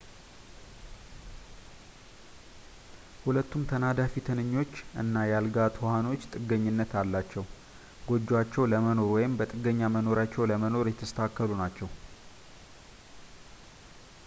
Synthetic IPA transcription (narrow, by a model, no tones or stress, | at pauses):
hulət̪ːumt̪ʰənad̪afit̪ʰɨnɨɲːo̞t͡ʃːʔɨ̰nːajalɡat̪wɔhano̞t͡ʃːt̪ʼɨɡəɲːɪnːət̪ʰalːat͡ʃːɛw | ɡo̞d͡ʒːwat͡ʃːɛwləməno̞ɾwɔjɪmbət̪ʼɨɡəɲːaməno̞ɾat͡ʃːɛwləməno̞ɾjɛt̪ʰːəst̪ʰakːəlunat͡ʃːɛw